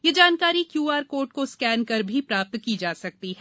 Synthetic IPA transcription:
jed͡ʒaːnkaːɾikjuːaːɾkoːɾʈkoskɛːnkɐɾbʱipɾaːp̚t̪kid͡ʒaːsɐk̚t̪iɦɛː

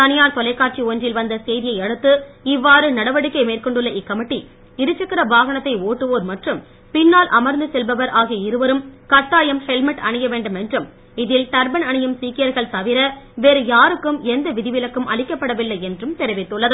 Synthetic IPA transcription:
t̪ɐnɪjaːɾt̪ɔlɐɪkːaːʈ̚t͡ʃioːndrɪlʋɐnd̪ɐsɛjðɪjɐɪɛɽɯt̪ːɯɪʋːaːɾɯnɐɽɐʋɐɽɯkːɐɪmeːrkɔɳɖɯɭːɐʔɪkːɐmɪʈːi | ɪɾɯt͡ʃːɐkːɪɾɐbaːɣɐɳɐt̪ːɐɪoːʈːɯʋoːɾmɐʈrɯm | pɪnːaːlʔɐmɐɾnd̪ɯsɛlbɐʋɐɾʔaːɣiɐɪɾɯʋɐɾɯmkɐʈːaːjɐmhɛlmɐʈɐɳɪjɐʋeːɳɖɯmɛndrɯm | ɪðɪlʈɐɾbɐnɐɳɪjɯmsiːkɪjɐɾɣɐɭt̪ɐʋɪɾɐʋeːɾɯjaːɾɯkːɯmɛnd̪ɐʋɪðɪʋɪlɐkːɯmʔɐ̰ɭɪkːɐpːɐɽɐʋɪlːɐɪɛndrɯmt̪ɛɾɐʋɪt̪ːɯɭːɐðɯ

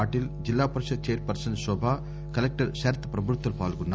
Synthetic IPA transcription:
aːʈild͡ʒilːaːpɐɾɐʃɐd̪̚t͡ʃeːɾpɐɾsɐnsɔbʱaː | kɐlek̚ʈɐɾʃɐːɾt̪ʰːɐpɾɐbʱuɾt̪ːʋɐlpaːlɡunːa

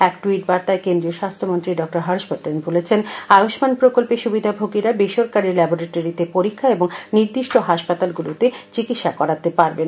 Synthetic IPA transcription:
ɛkʈuiʈ̚baɾt̪aekend̪ɾioʃast̪ʰomont̪ɾiɖɔk̚ʈoɾɦaɾʃpot̪enbʱolet͡ɕʰenajoʃmanpɾokolpeʃubid̪ʱabʱoɡiɾabeʃoɾkaɾilɛboɾeʈoɾit̪epoɾikʰːaeboŋniɾd̪iʃʈoɦaʃpat̪alɡulut̪et͡ɕikit̪ʃakɔɾat̪epaɾbena

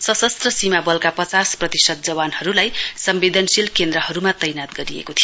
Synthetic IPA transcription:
sʌsʌst̪rʌsimabʌlkapʌt͡sasprʌt̪isʌd̪̚d͡zʌbanhʌɾulajsʌmbed̪ʱʌnsilkend̪ɾʌhʌɾumat̪ʌjnat̪̚ɡʌɾiḛkot̪ʰijo

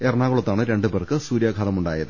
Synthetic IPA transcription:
erɳaːɣɐɭot̪ːaːɳɨɾe̞ɳɖɨperkɨsuːɾjaɡʱaːlɐmuɳɖaːjɐðɨ

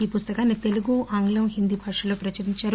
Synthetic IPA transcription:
iːpust̪ɐkaːnːit̪e̞luɡuʔaːŋɡlɐmɦind̪ibʱɐɾʂɐloːpɾɐt͡ʃɐɾiɲt͡ʃaːɾu

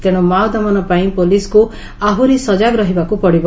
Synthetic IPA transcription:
t̪eɽ̃ɔmawd̪amɔnɔpaĩpolisku | aɦuɾisɔd͡ʒaɡɾɔɦibakupɔɽibɔ

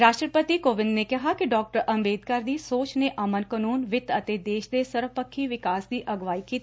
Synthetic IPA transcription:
ɾaːʃʈɾəpət̪iːkoːʋɪndneːkɪɦaːkiɖɔːk̚ʈəɾəmbeːd̪kəɾd̪iːsoːt͡ʃneːʔəmənkənuːnʋɪt̪ət̪eːd̪eːʃd̪eːsəɾʋpəkʰːiːʋɪkaːsd̪iːʔəɡʋaːiːkiːt̪ː

